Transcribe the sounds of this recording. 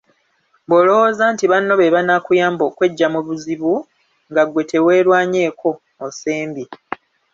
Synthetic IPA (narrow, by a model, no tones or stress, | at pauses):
bo̞lo̞wozaːntiβanːo̞βe̞βanakujaːmbokwe̞ɟːamuβuziβu | ŋɡaɡwe̞tʰewe̞ːɾwaːɲe̞ːkʰo̞ː | seːmbi